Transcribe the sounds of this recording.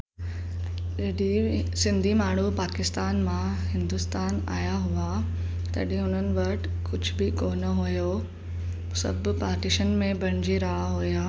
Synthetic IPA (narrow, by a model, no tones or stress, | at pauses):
d͡ʑɐɗisɪ̃nd̪ʱimaːɳ̤upaːkɪst̪aːnmãɦɪ̃nd̪ʊst̪aːna̰ːjaɦʊa | t̪ɐ̰ɗɦĩʊn̤ənɪ̆ʋɐʈ | kʊd͡ʑʱbɪkoːnɐɦojoː | sɐ̰bʱpaːɾʈiʃənmẽbʱɐɽ̃ɪ̃d͡ʑiɾaɦaɦʊjaː